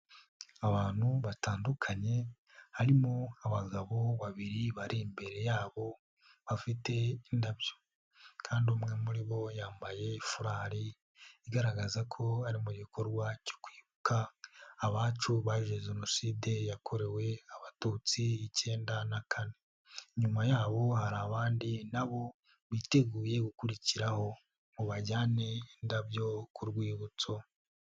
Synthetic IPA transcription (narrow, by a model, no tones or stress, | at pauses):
aβaːn̥huβataːndukʰaɲe̞ | haɾimoaβaɡaβo̞βaβiɾiβaɾiːmbe̞ɾe̞jaːβo̞ | βafite̞indabjo̥ | kʰaːndiumŋe̞muɾiβo̞jaːmbaje̞ifuɾaːɾiː | ɡaɾaɡazakʰo̞aɾimuɟiko̞ɾɡwacokwiːβukaːβaːt͡ʃuβaʒeʒeno̞siːde̞jakʰo̞ɾe̞we̞aβatuːt͡siice̞ːndanakʰane̞ | ɲumajaːβo̞haɾaːβaːndinaβo̞ | βite̞ɡuːje̞ɡukuɾiciɾaho̞ | muβaɟaːnendabjo̞kuɾɡwiːβut͡so̞